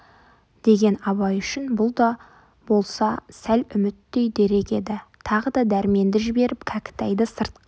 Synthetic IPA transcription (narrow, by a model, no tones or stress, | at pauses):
d̪̥e̞ɡʲe̞nɑbɑjʏʃɪnbʊlˠd̪ɑ | bo̞lˠsɑsælʏmɪt̪ːe̞jd̪e̞ɾe̞kʲe̞d̪ɪt̪ʰɑʁəd̪ɑd̪æɾme̞nd̪ɪʒɪbe̞ɾɪp̚kʲʰækʲɪ̥t̪æjd̪ɪsəɾt̪̚q